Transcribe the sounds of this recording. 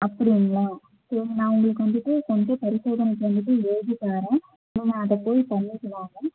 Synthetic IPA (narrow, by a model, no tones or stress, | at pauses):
ɐpːɐɾɪŋɡɐɭaː | seŋɐnãːʊŋɡɐɭɯkːɯʋɐnd̪ɯʈːɯkɔɲd͡ʒɐ̃pɐɾɪsoːðɐnɐk̪ːʋɐnd̪ɯʈːɯeːd͡ʒɪkːaːɾɛ̃ | nːiːŋɡɐːðɐpoːjipɐɳːɪkːɐnaːŋɐ